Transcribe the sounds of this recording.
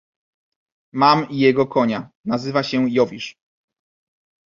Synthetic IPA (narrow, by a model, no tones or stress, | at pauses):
mamijɛɡɔkɔɲa | nazɘvaɕɛjɔvʲiʂ